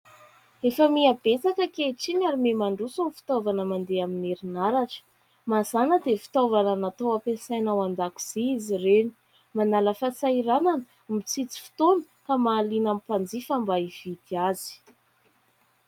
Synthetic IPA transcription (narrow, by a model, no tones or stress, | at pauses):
efəmiab̥et͡sakəkeʈ͡ʂiɲaɾimemaɳɖ͡ʐusunifi̥t̪ovanəmand̪eamineɾinaɾaʈ͡ʂə̥ | maz̥anəd̪efi̥t̪ovananat̪owapesajnawand̪aku̥z̥iizireni̥ | manaləfasaiɾananə | mit͡sit͡si̥fi̥t̪onə̥ | kamaːlinamipand͡zifambaiv̥id̪iazi̥